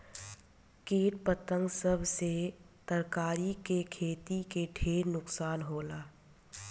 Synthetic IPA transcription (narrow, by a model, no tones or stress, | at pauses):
kiːʈpət̪ə̃ŋɡsəbʱse | t̪əɾkaːɾikekʰeːt̪ikeɖʰʱeːɾnʊksaːnɦoːlaː